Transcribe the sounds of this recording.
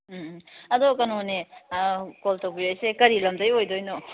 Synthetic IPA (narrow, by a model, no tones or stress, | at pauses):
ɐd̪okɐnone | koltowbijojsekɐɾilɐmdɐjojdojno